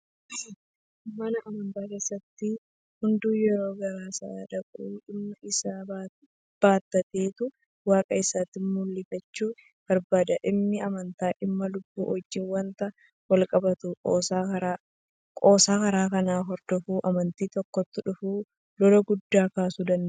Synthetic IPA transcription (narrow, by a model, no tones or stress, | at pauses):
mɐnɐʔɐmɐnt̪aːke̞ːsːɐt̪ːɪ | hʊnd̪uːjɛɾo̞ːɡɐɾaːsɐʔaːᶑɐkʼɐuːᶑɪmnɐʔɪsaː | b̥aːt̪ːɐt̪eːt̪ʊ | waːkʼɐɪsaːt̪ːɪmʊlːɪfɐt͡ʃːuː | b̥ɐɾbaːd̪ɐʔɪmnɪɐmɐnt̪aːʔɪmːɐlʊbːṵːʔɔd͡ʒːɪwɐnt̪ɐ | wɐlkʼɐbɐt̪ukʼoːsaɐɾ | kʼoːsaːkɐɾaːkɐnaːɦɔɾd̪̥ɔfuːʔɐmɐnt̪iːt̪ɔkːɔt̪ːʊᶑʊfuː | lɔlɔɡʊd̪ːaːkaːsud̪ɐnd̪